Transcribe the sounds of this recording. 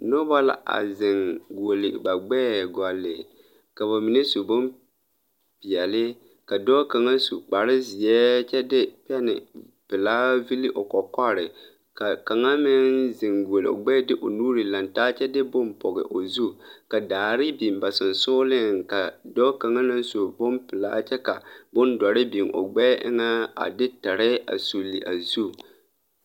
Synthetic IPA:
no˦ba˦la̰˨ʔa̰˨zɪ˨ŋɡu˨o˨lɪ˨ba˨ɡ͡bɛ˦ɡa˨lːɪ̰˨ | ka˨βa˨mi˨ne˦su˨bʊ˦m | pi˨ɛ˨lɪ˦ | ka˨dɔː˦ka˨ŋa˦su˨k͡pa˨ɾɪ˦zi˨ɛ˦t͡ʃɛ˦dɪ˦pɛ˦nɪ̰˨ | pɪ˨laː˦vi˦li˦ʔo˨kɔ˨ka˦ɾɪ˨ | ka˨ka˨ŋa˦mɪ˦nzɪ˨ŋɡo˨lo̰˨ɡ͡bɛː˦dɪ˦ʔo˨nuː˦ɾi˨la˨ntaː˦t͡ʃɛ˦dɪ˦bʊ˦mpɔ˨ɡɪ̰˨ʔo˨zu˦˨ka˨daː˨ɾɪ˦bi˨m˨ba˨sɪ˨n˨sʊː˦lɪ˦ŋka˨dɔ˦ka˨ŋa˦na˦n˦su˨bʊ˦mpɪ˨la̰ː˦t͡ʃɛ˦ka˨bʊ˦ndɔ˨ɾɪ˦bi˨mʔo̰˨ɡ͡bɛː˦ʔɪ̰˦ŋa˦a̰˨dɪ˦ta˨ɾɪ˦a̰˨su˨li˨ʔa̰˨zu˦˨

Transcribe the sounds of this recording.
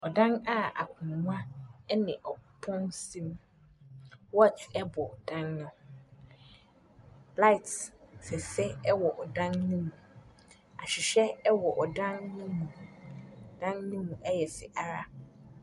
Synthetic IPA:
ɔ˨dã˦na˦˨a̰˨kʰʊ̃˨nũ˦ã˦ɛ˦nɪ̃˨ʔɔ˨pʰɔ̃˦nsĩ˦m | wɔ˦˨t͡ʃɛ˦bɔ˨d̥ã˦nːʊ̃˨ | la˦ɪ˨tsɛ˨sɛ˦ɛ˦wɔ˨ʔɔ˨dã˦nnĩ˦mũ˨ | a˨ɕᶣɪ˨ɕᶣɛ˦ɛ˦wɔ˨ʔɔ˨dã˦nːʊ̃˦mũ˨ | d̥ã˦nnĩ˦mũ˨ʔɛ˦jɛ˨sɪ˨ʔa˦ɾa˦

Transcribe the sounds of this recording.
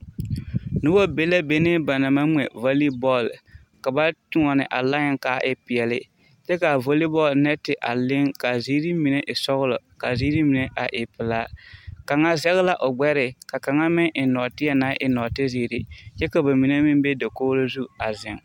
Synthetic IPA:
nu˦wo˦be˦la˦be˦ne˦ba˨na˨ma˦mɛ̰˨vo˦li˦bɔ˦˨l | ka˨ba˦tu˦ɔ˨nɪ˨ʔa˨la˦ɲɪ˦ŋka˨˦ʔɪ˦pɪ˨jɛ˨lɪ˦ | t͡ʃɛ˦ka˨vo˦li˦bɔ˦˨lnɛ˦tɪ˨ʔa˨lɪ˦ŋka˨ziː˦ɾi˦mi˨ne˦ʔɪ˨sɔ˦ɣʊ˦lɔ˨ | ka˨zi˦ɾi˦mi˨ne˦ʔa˨ʔɪ˨pɪ˨laː˦ka˨ŋa˦zɛ˦ɣɪ˦la˦ʔʊ˨ɡ͡bɛ˦ɾɪ˨ka˨ka˨ŋa˦mɪ˦ŋʔɪ˨nɔ˨tɪ˦a˦na˨˦ʔɪ˨nɔ˨tɪ˦ziː˨ɾɪ˦t͡ʃɛ˦ka˨ba˨mi˨ne˦mɪ˦n˦be˦da˨koː˦ɾo˦zu˦a˨zɪ˨ŋ

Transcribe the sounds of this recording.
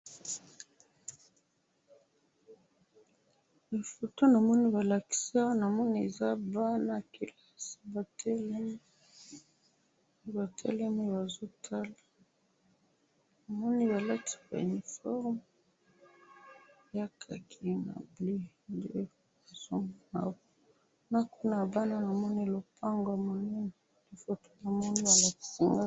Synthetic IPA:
li˨fo˨to˦na˨mɔ˦ni˦βa˨la˨ki̥˨sa˦wa˦na˨mɔ˦ni˦e˨za˦ba˦na˨ki˨la˦si̥˨ba˨tʰɛ˦lɛ˦me˦ | ba˨tʰɛ̰˦lɛ˦me˦ba˨zo˦tʰa˦la˨ | na˨mɔ˦ni˦ba˨la˦ti̥˨ba̰˨ṵ˨ni˨fɔ˦ʁm | ja˦kʰa˨kʰi˦na̰˨bli˦ | nde˦ | a˨zo˦˨˦na˨w | na˦ku˦na˨ba˦na˦na˨mɔ˦ni˦lo˨pʰa˦ŋɡwa˨mo˨nɛ˦nɛ˨ | di˨fo˦to̥˦ba˨mɔ˦ni˦ja˨la˦˨i˨ŋɡa˦

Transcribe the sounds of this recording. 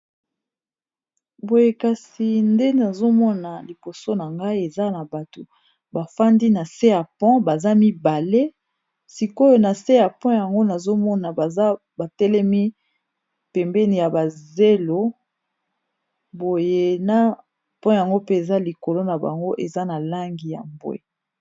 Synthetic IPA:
bo˨je˨ka˨si˨nde˦na˨zo˦mɔ˦na˨li˨bo˨so˦na˨ŋɡa˦i˦e˨za˦na˨ba˨to˨ | ba˨fa˦ndi˦na˨se˦a˨pɔ̃˦ba˨za˦mi˦ba˨le˦ | si˨ko˦jo˦na˨se˦a˨pɔ̃˦ja˨ŋɡo˦na˨zo˦mɔ˦na˨ba˨za˦ | ba˨tɛ˦lɛ˦mi˦ | pɛ˨mbɛ˦ni˨ja˨ba˨ze˦lo˦ | bo˨je˦na˦ | pɔ̃˦ja˨ŋɡo˦pe˦e˨za˦li˨ko˨lo˦na˨ba̰˨ŋɡo˦ʔe˨za˦na˨la˦ŋɡi˨ja̰˨mbwḛ˨

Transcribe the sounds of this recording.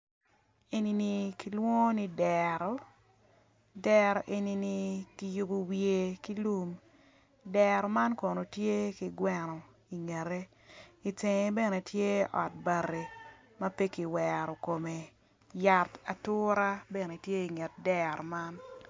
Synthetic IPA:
e˨ni˨ni˨ki˨˦lwɔ˦ni˦dɛɾɔ˨˦ | dɛ˦ɾɔ˨ʔe˨ni˨ni˨ki˦ju˨bo˨wje˨ki˦lu˦˨m | dɛɾɔ˨ma˦nko˨no˨tje˦ki˨ɡwɛ˦nɔ˨ | i˨ŋe˨ɾe˦ | i˨te˨ŋe˨bɛ˦˨ne˨tje˦ɔ̰˨t̚ba˨ɾe˨ | mɐ˦pe˦ki˨wɛ˨ɾɔ˨ko˨me˨ | ja˨ta˨tʊ˦ɾa˦bɛ˨ne˨tje˦i˨ŋe˨t̚dɛ˦ɾɔ˨ma˦n

